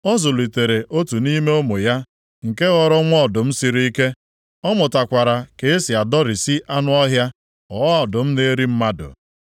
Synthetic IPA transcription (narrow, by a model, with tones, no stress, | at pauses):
ɔ˦zʊ˨li˨te˨ɾe˨ʔo˦tu˨ni˦me˦o˦mo˨ja˦ | ŋ̩˨ke˦ɣɔ˨ɾɔ˦ŋʷ˦ɔ˦˨dʊ˨m̩˦si˨ɾi˦i˦ke˦ | ɔ˦mʊ˨ta˨kʷa˨ɾa˨ke˨e˦si˨a˨dɔ˦ɾi˨si˦ʔa˦nʊ˦ɔ˦ɦja˦ | ɔ˨ɔ˦˨dʊ˨m̩˦ne˦ɾi˦m̩˦ma˦dʊ̰˨